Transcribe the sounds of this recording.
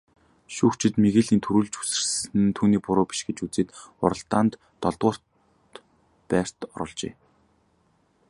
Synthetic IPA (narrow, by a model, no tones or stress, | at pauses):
ʃuːxt͡ɕʰɪ̆t̪meɣeːɮiːnt̪ʰuɾuːɮt͡ɕu̥sɘ̆rsɘ̆nt̪ʰuːniːpʊɾʊːpi̥ʃɡet͡ɕut͡seːt̪ʊ̰ɾə̆ɬt̪aːnt̪ːɔɮt̪ʁʊːr̥t̪ | pæːr̥t̪ɔ̰ɾɞ̆ɮt͡ɕḛː